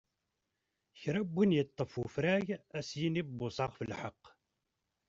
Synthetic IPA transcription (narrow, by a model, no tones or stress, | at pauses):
çɾæbːinjət̪ˤːəfufɾæʝæsjinibːʊsˤɑʁfəlħɑqː